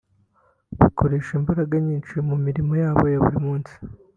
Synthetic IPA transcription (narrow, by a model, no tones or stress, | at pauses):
βikʰoɾe̞ːʃimbaɾaɡaɲiːnt͡ʃimumiɾimo̞jaːβojaβṵɾimuːnsi̥